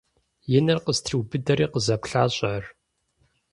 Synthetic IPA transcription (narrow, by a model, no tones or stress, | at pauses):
jɪnɐrqəztʰiwbɨdɐɾiːqəzɐpɬaːɕʼɐr